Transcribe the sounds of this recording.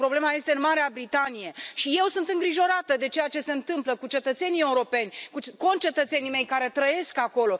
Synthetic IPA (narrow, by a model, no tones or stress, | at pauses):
pɾo̞ble̞maje̞st̪eɨnmaɾeabɾit̪anije̞ʃije̞wsunt̪ɨŋɡɾiʒo̞ɾat̪əd̪e̞t͡ʃejat͡ʃe̞se̞ɨnt̪ɨmpləkut͡ʃe̞t̪ət̪se̞nie̞uɾo̞pe̞nʲkut͡ʃko̞nt͡ʃe̞t̪ət̪se̞nime̞jkaɾe̞t̪ɾəje̞skako̞lo̞